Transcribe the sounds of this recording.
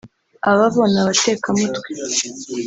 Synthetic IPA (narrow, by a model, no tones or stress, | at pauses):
aβaβoːnaβate̞ːkamutwe